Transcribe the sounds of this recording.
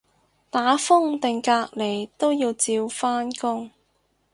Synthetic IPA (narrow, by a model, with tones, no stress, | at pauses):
t̪aː˨˥fʊ˥ŋt̪ɪ˨˩ŋkaː˧k̚le˨˩jt̪o˥wjiː˧wt͡siː˧wfaː˥nkʊ˥ŋ